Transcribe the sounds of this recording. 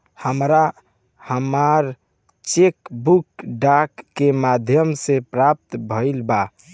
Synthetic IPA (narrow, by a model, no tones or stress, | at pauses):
həmɾa | həmaɾ | t͡ʃekbukɖakːemad̪ʱjəmsepɾap̚t̪bʱəɪlba